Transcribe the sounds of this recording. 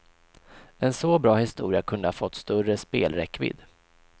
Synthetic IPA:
ɛnsɔbɾɑːhɪst̪uːɾɪakʰɵnd̪əhaːfɔt̪ːst̪ɵɾəspḛːlɾɛkːvɪ̰d̪

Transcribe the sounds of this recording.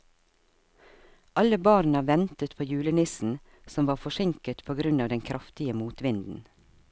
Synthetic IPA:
ʔɑləbɑːɾnɑːʋɛnt̪ət̪pʰoːjʉːlənɪsn̩ | sɔmʋɑːfɔʃɪŋkət̪pʰoːɡɾʉnɑːʋd̪ɛŋkʰɾʔɑft̪ɪəmuːt̪ʋɪnd̪n̩

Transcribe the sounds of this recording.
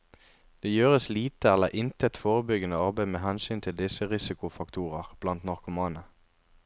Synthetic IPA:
d̪̥eːjøːʁəsliːt̪əæləʁʔɪnt̪əɛt̪foːʁəbʏɡənəɑʁbæɪmeːhɛnsyːnt̪ʰɪld̪ɪsəʁɪsɪkʊfɑkt̪ʰuːʁəʁb̥lɑnt̪nɑʁkʊmɑːnə

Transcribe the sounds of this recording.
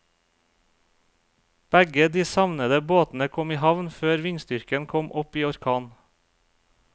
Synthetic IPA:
b̥æɡəd̪iːsɑʋnəd̪əboːt̪n̩əkʰɔmiːhɑʋnføːɾʋɪɲst̪ʏɾkənkʰɔmʔɔpiːɔɾkʰɑːn

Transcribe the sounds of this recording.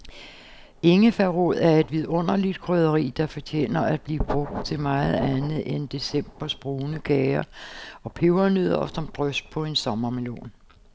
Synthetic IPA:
e̝ŋəfæʁoð̰ˠæɐe̝d̥ʋiðˠɔ̽n̰ɐlid̥kʰʁøð̞ˠɐʁḭːd̥ɑ̈fɒ̽t͡ɕʰḛːnɐʔæd̥̚b̥liːb̥ʁɔ̽ɡ̥̚d̥̚t͡sʰe̝lmɑ̈ːð̞̩ˠænð̩ˠend̥e̝sem̰b̥ɐsb̥ʁuːnəɡ̥ɛːɪɐɒ̽pʰeʊɐnyð̰ˠɐɒfsɒmd̥ʁœsd̥̚pʰɒ̽e̝nsɒ̽mɐmelo̰ːn

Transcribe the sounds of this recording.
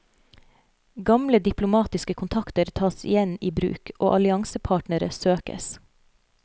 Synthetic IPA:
ɡɑmləd̪ɪplʊmɑːt̪ɪskəkʰʊnt̪ʰɑkt̪əɾt̪ʰɑːsɪ̰jɛniːbɾʉ̰ːkʔo̰ːʔɑlɪɑŋsəpʰɑːʈnəɾə̰søːkə̰s

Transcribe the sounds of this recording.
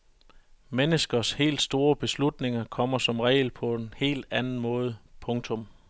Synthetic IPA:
menəsɡ̥ɐshe̝̰ːld̥sd̥o̝ːɐb̥e̝slud̥ne̝ŋɐkʰɒ̽m̰ɐsɒ̽mʁɛ̰ːɪlpʰɒ̽e̝nhe̝̰ːld̥ænn̩mɔ̽ːð̞ˠpʰɔ̽ŋt͡sʰɔ̽m

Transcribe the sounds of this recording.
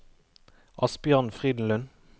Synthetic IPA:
ʔɑsbjœːʁnfʁiːd̪n̩lʉn

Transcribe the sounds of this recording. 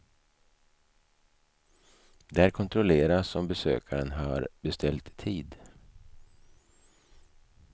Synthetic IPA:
d̪ɛæɾkʰɔnt̪ʰɾʊleːɾasɔmbɛsø̰ːkʰaɾənɦaɾbɛst̪ʰɛlt̪ʰːiːd̪

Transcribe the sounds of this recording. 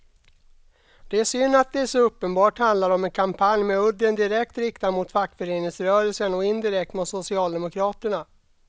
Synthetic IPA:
d̪̥ɛæʂʏnːat̪̚d̪ɛæʂɔɵpːənbɑːʈhand̪laɾɔmɛnkʰampʰanjmɛɵd̪ənd̪ɪɾɛkt̪ɾɪkt̪amʊt̪fakːfœɾeːnɪŋsɾœːɾəlsənɔɪnd̪ɪɾɛkt̪mʊt̪sʊsɪɑːld̪ɛmʊkʰɾɑːt̪əɳa

